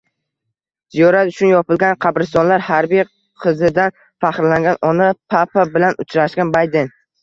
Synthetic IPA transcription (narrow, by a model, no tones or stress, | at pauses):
z̥ijɒɾat̪ʊt͡ʃʰʊnjɒpɪlɡʲanqʰɑbɾɪst̪ɒnlaɾhaɾbij | qʰɨzɪd̪an | faχɾlaŋɡʲanʔɒnapʰapʰabɪlanʊt͡ʃʰɾaʃkʲanbajd̪en